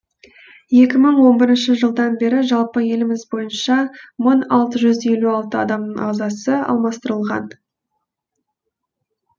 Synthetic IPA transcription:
je̞kʲɪməɴwo̞nbɪɾɪnʃɪʒəlˠd̪ɑnbe̞ɾɪʒɑlˠpəje̞lɪmɪzbo̞jənʃɑmʊnɑlˠt̪əʒʏze̞luɑlˠt̪əɑd̪ɑmnəɴɑʁzɑsəɑ̰lˠmɑst̪əɾəlˠʁɑ̰n

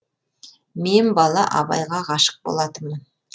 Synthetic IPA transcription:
me̞nbɑlˠɑʔɑbɑ̰jʁɑʁɑʃə̥q̚bo̰lˠɑt̪əmən

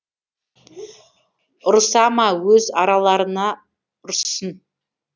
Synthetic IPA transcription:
ʊɾsɑmɑwɵzɑɾɑlˠɑɾənɑ | ʊɾsən

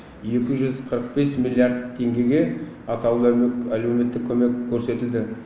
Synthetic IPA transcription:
e̞kʲɪʒʏzqʰəɾəq̚be̞smilʲˠjaɾd̪̚t̪ʰːe̞ŋɡʲe̞ɡʲe̞ | ɑt̪ɑw̪ælume̞t̪ːɪkʲʰːɵme̞kʲʰːɵɾse̞t̪ɪld̪ɪ

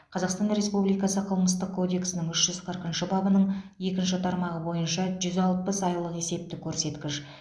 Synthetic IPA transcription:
qʰɑzɑqst̪ɑnɾe̞spublijkɑsəqʰəlˠməst̪əq̚kʰːo̞d̪e̞ksənɪŋʏʃʒ̥ʏzqʰəɾqənʃɪbɑbənəɴje̞kʲɪnʃɪt̪ʰɑɾmɑʁəbo̞jənʃɑʒʏzɑlˠpəsɑjlˠəqe̞se̞p̚t̪ɪkʲʰɵɾse̞t̪kʲɪʃ

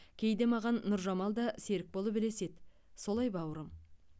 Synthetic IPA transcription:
kʲʰe̞jd̪e̞mɑʁɑnːʊɾʒɑmɑlˠd̪ɑse̞ɾɪk̚bo̞lˠəpbɪle̞se̞d̪ | so̞lˠɑjbɑwɾəm

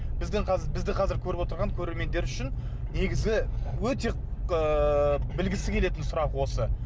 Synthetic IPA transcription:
bɪzd̪ɪŋqʰɑbɪzd̪ɪqʰɑzɪɾkʲʰɵɾɪpwot̪əɾʁɑŋkʲʰɵɾe̞ɾme̞nd̪e̞ɾʏʃɪn | ne̞ɡʲɪzɡʲɪwɵt̪e̞ | əbɪlɡʲɪsɪkʲʰe̞le̞t̪ɪnsʊɾɑqwo̞sə

